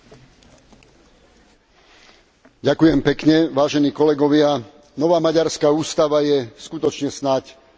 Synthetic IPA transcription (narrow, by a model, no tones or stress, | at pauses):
ɟakujɛmpɛkɲɛʋaːʒɛniːkɔlɛɡɔʋɪa | nɔʋaːmaɟaɾskaːuːst̪aʋajɛskut̪ɔt͡ʃɲɛsnac